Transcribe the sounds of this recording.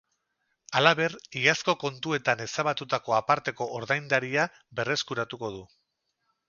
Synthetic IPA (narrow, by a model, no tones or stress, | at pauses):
alaβe̞riasko̞ko̞nt̪ue̞t̪ane̞saβat̪ut̪ako̞apaɾt̪e̞ko̞ʔːɾðajnd̪aɾia | be̞re̞skuɾat̪uko̞ð̞u